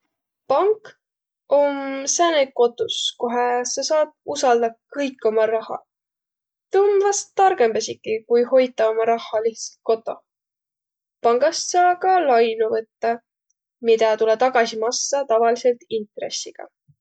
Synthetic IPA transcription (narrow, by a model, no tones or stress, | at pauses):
pɑŋk | o̞msæneko̞t̪ːˑuskoɦesɑsɑːd̚usɑld̪̥ɑkɤjkːˑo̞mɑɾɑhɑ̰ | t̪umvɑst̪ːɑrɡe̞mb̥̪ɑsikːˑikujho̞jt̪ːˑɑo̞mɑɾɑhːɑliht̪sɑ̥t̪̚ko̞t̪ːˑo̞ | pɑŋɡ̥ɑssɑːkɑlɑjnuvɤt̪ːɑ | mid̪ɑt̪ulet̪ɑɡɑsimɑsːɑt̪ɑvɑlise̞lt̪int̪re̞̰sːiɡ̥ɑ̰